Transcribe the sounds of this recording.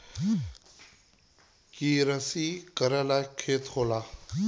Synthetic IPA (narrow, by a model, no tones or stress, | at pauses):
kiːɾəsiːkəɾəlaːkʰeːt̪ʰhoːlaː